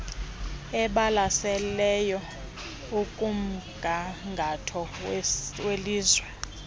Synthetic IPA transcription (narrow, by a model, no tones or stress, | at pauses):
ɛɓalasɛlɛjɔ | ukʼum̩ɡ̥ʱaŋɡʱatʰɔwweliːzwɛ